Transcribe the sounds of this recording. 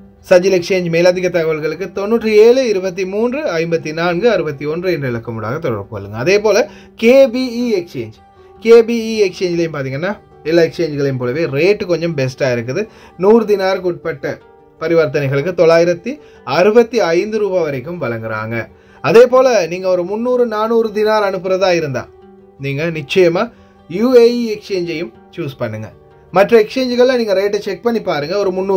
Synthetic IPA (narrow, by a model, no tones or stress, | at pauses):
sɐd͡ʒɪlɛkt͡ʃeːɲd͡ʒmeːlɐd̪ʱɪɣɐt̪ːɐɣɐʋɐɭɣɐɭɯkːɯt̪ɔnːuːʈrɯeːɭɯɪɾɯbɐt̪̬ːimuːndrɯɐɪmbɐt̪ːinaːnɡɯɐɾɯbɐt̪ːiɔndrɯɛndrɯɪɭɐkːɐmuɽa̰ːɣɐt̪ɔɽɐ̰ɾpoːɐlːɯŋɡɐːðeːpoːlɐ | keːbiiɛkt͡ʃeːɲd͡ʒ | keːbiiɛkt͡ʃeːɲd͡ʒɪlɐjɯmpaːɾt̪̬iːŋɡɐnːaː | ɛlːaːɛkst͡ʃeːɲd͡ʒɣɐɭɐmpoːlɐʋeːɾeːʈːɯkɔɲd͡ʒɐmbɛsʈaːɪɾɯk̬ːɯðɯ | nuːɾɯd̪ɪnaːɾkʊʈ̚pɐʈːɐ | pɐɾɪʋɐɾt̪ɐnɐɪɣɐɭɯkːɯt̪ɔɭːaːjɪɾɐt̪ːi | ɐɾɯbɐt̪ːiɐɪnd̪ɯɾuːbaːʋɐɾɐɪkːɯmʋɐɭɐŋɡɯɾa̰ːŋɡɐ | ɐðeːpoːlɐniːŋɡɐɔɾɯmʊnːuːɾɯnaːnuːɾɯd̪ɪnaːɾɐɳɯpːɯɾɐðaːjɪɾɯnd̪a̰ː | niːŋɡɐnɪt͡ʃːɐjɐmaː | juːeiɛkst͡ʃeːɲd͡ʒɐjɯm | t͡ʃuːspɐɳːɯŋɡɐ | mɐʈrɐɛkʂeːɲd͡ʒɣɐɭlːɐniːŋɡɐɾeːʈːɐt͡ʃɛk̚pɐɳːipaːɾɯŋɡɐɔɾɯmʊnːuː